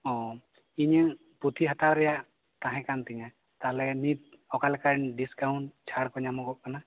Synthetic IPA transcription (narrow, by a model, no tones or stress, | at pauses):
ɔ̃ | iɲɛ | put̪ʰiɦat̪aɾɾɛjaʔ | t̪ãɦɛ̃kant̪ɛɲa | t̪alɛnit̪̚ | ɔkalɛkanɖiskawɳt͡ʃʰaɽkɔɲamɔɡɔʔ̚kana